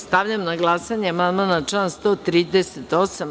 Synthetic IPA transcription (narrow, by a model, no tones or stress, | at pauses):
st̪aʋʎʲamnaɡlˠasaɲeamand̪manat͡ʂanst̪oːt̪ɾiːd̪eset̪osam